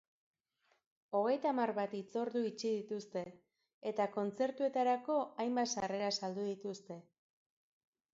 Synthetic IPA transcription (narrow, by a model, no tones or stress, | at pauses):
o̞ɣ̞e̞jt̪aːmarβat̪it͡so̞ɾðuit͡ʃiðit̪ust̪e̞ː | t̪ako̞nt͡se̞ɾt̪ue̞t̪aɾako̞ajmbasare̞ɾasald̪uðit̪ust̪e̞